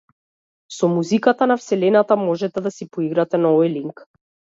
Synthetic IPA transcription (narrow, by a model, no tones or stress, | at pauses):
sɔmuzikat̪anafsɛlɛnat̪amɔʒɛt̪ɛd̪asipɔiɡɾat̪ɛnaɔvɔjliŋk